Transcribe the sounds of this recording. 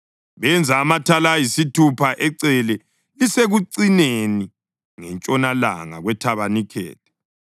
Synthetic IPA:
βɛnd͡zʱaːmatʰalajisitʰupʰaʔɛǀɛlɛ | iseɣuǀineni | ŋɛnt͡ʃʼɔnala̰ŋa̰ɣwɛtʰaβanikʰɛ̰ːtɛ̥

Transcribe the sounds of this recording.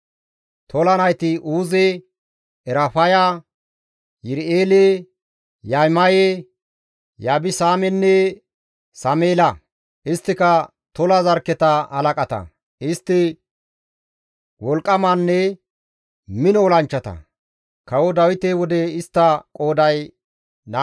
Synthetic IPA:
t̪ʰɔlɐnɐjt̪ɪʔuːze | ɛɾɐfɐja | jɪɾeːle | jajmɐje | jaːbɪsaːmɛnːɛ | sɐmeːlɐ | ʔɪst̪ːɪkɐ | t̪ɔlɐzɐɾkːɛt̪ɐhɐlɐkʼɐt̪ɐ̰ | ʔɪst̪ːɪ | wɔlkʼːɐmanːɛ | mɪnɔːlɐnt͡ʃːɐt̪ɐ̰ | kɐwɔd̪ɐwɪt̪eːwɔd̪ɛɪst̪ːɐkʼoːd̪ɐj | na

